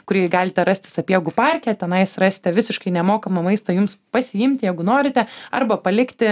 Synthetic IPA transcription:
kʊɾʲiɛɡɑːlʲɪt̪ʲɛɾɐsʲt̪ʲɪsɐpʲjiɛɡʊpɑɾʲkʲɛt̪ʲɛnɐɪsrɑːsʲɪ̥t̪ʲɛʋʲɪsʲɪʃkɐɪnʲɛmoːkɐmɐmɐɪst̪ɐjʊmspɐsʲɪjɪmʲt̪ʲɪjɛɪɡʊnoːɾʲɪt̪ʲɛɐ̰rbɐpɐlʲɪkt̪ʲɪ

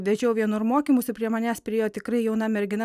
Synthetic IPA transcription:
d̪ʲɛd͡ʒʲɛʊʋʲiɛnʊɾmoːkʲiːmʊsʲʊpʲɾʲiɛmɐnʲæːspʲɾʲɪeːjoːt̪ʲɪkɾɐɪjɛʊnɐmʲɛɾʲɡʲɪnɐ

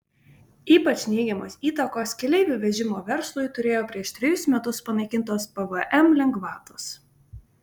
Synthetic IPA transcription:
iːpɐt͡ʃnʲɛɪɡʲɛmoːsiːt̪ɐkoːskʲɛlʲɛɪʋʲʊʋʲɛʒʲɪmoːʋʲɛɾslˠʊjt̪ʊɾʲeːjoːpʲɾʲiɛʃt̪ʲɾʲɪjʊsmʲɛt̪ʊspɐnɐɪkʲɪnˑt̪oːspɛʋəʔɛmlʲɛŋɡʋɑːt̪oːs

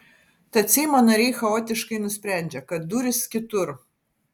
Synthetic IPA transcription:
t̪ɐt̪sʲiːmoːnɐɾʲɛːxɐoːt̪ʲɪʃkɐɪnʊsʲpʲɾʲæˑnʲd͡ʒʲɛkɐt̪̚d̪uːɾʲɪskʲɪt̪ʊɾ

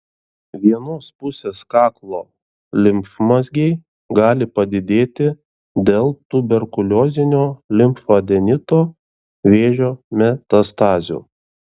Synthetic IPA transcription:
ʋʲiɛnoːspʊsʲeːskɑːklˠoː | lʲɪmfmɐzʲɡʲɛɪ | ɡɑːlʲɪpɐd̪ʲɪd̪ʲeːt̪ʲɪ | d̪ʲeːlˠt̪ʊbʲɛɾkʊlʲoːzʲɪnʲoːlʲɪmpfod̪ʲɛnʲɪt̪oː | ʋʲeːʒʲoːmʲɛt̪ɐst̪ɑːzʲṵː

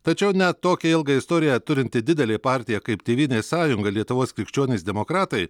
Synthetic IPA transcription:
t̪ɐt͡ʃʲɛʊnʲɛt̪ːoːkʲɛɪlˠɡɐɪst̪oːɾʲɪjɛt̪ʊɾʲɪnʲt̪ʲɪd̪ʲɪd̪ʲɛlʲeːpɑːɾʲt̪ʲɪjɛkɐɪpt̪ʲeːʋʲiːnʲeːsɑːjʊŋɡɐlʲiɛt̪ʊʋoːskʲɾʲɪkʃʲt͡ʃʲuɔnʲeːsd̪ʲɛmoːkɾɑːt̪ɐɪ

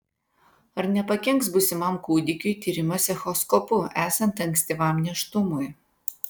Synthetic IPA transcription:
ɐɾnʲɛpɐkʲɛŋksbʊsʲɪmɐmkuːd̪ʲɪkʲʊjt̪ʲiːɾʲɪmɐsʲɛxɔskɔpʊæːsɐnt̪ɐŋʲksʲt̪ʲɪʋɑmnʲɛʃt̪ʊmʊj

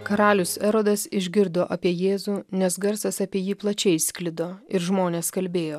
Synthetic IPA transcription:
kɐɾɑːlʲʊsɛɾoːd̪ɐsɪʒʲɡʲɪɾd̪oːʔɐpʲiɛjeːzuːnʲɛsɡɐɾsɐsɐpʲiɛjiːplˠɐt͡ʃʲɛɪsʲkʲlʲɪd̪oːɪɾʒmoːnʲeːskɐlʲbʲeːjoː

